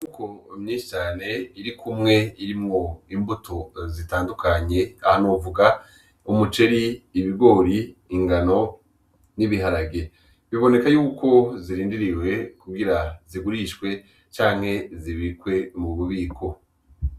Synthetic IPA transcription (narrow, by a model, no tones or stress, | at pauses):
nukomɲiːʃi̥t͡ʃaːne̞iɾikʰumŋe̞iɾimŋo̞imbutʰozitaːndukaɲe̞ahanovuɡa | umut͡ʃe̞ɾiːβiɡo̞ːɾiːŋɡano̞ | niβiɦaɾaɡe | βiβo̞ne̞kajuːko̞ziɾiːndiɾiwe̞kuɡiɾaziɡuɾiʃkwe̞ | t͡ʃaːŋ̥he̞ziβiikwe̞muβuβiːkʰo̞